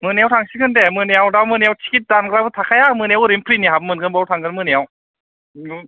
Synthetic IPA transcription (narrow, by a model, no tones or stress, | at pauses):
mɯnejawtʰaŋsikɯndemɯnejawdawmɯnejawtʰi̥kʰit̚danɡɯɾabɯtʰakʰajamɯnjawɾimpʰɾiniɦabmɯnɡɯnbawtʰaŋɡɯnmɯnejaw